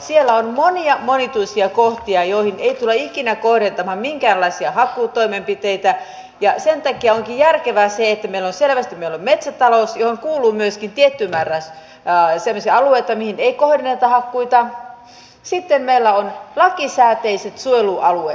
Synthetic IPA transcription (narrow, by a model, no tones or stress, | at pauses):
sielːæonmoniɑmonit̪uisiɑkoht̪iɑjoihineit̪ulːɑikinækohrent̪ɑmɑmmiŋkæːnlːɑisiɑhɑkːuːt̪oimempit̪eit̪æ | jɑsent̪ɑkiɑoŋkijærkeʋæseet̪ːæmeilːonselʋæst̪immeilːommet̪sæt̪ɑlosjohoŋkuːlˑuːmyøskint̪iet̪ːymærːæs | semːosiɑɑlueit̪ɑmihineikohrenːet̪ɑhɑkːuit̪ɑ | sit̪ːemmeilːæonlɑkisæːt̪eiset̪sueluʔɑluḛ